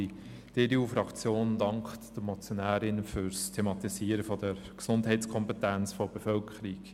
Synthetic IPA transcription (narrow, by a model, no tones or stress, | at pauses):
i | d̥ɪɾiuːfɾɑkt͡sjoːnd̥ɑŋkχtd̥əmɔt͡sjɔnæːɾɪnfʏɾstʰemɑt̪isiːəɾəfɔd̥əɾ | ksʊndɦɛɪskʰɔmpɛtænt͡sfɔb̥efœlkʰəɾik